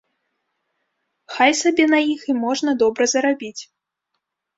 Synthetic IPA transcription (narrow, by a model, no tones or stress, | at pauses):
xajsabʲɛnɐjiximɔʐnɐd̪ɔbɾɐzɐɾabʲit͡sʲ